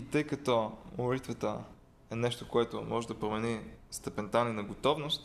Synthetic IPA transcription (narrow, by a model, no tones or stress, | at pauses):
it̪əjkɐt̪ɔmolit̪vət̪ə | ɛnɛʃt̪okoɛt̪omɔʒɛd̪ɐpɾomɛnist̪ɐpɛnt̪aninɐɡot̪ɔvnost̪